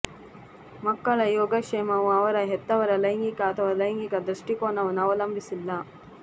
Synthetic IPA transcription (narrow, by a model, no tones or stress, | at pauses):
mɐkːɐɭɐjɔːɡɐkʂemɐʋuɐʋɐɾɐɦɛt̪ːɐʋɐɾɐlɐjŋɡikɐːt̪ʰɐʋɐlɐjŋɡikɐd̪ɾɐʂʈikoːɳɐʋɐnɐʋɐlɐmbʱisilːɐ